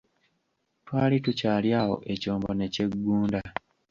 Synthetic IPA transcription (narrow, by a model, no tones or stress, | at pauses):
twaːlitucaːljaːho̞̰ʔe̞coːmbone̞ce̞ɡːuːnda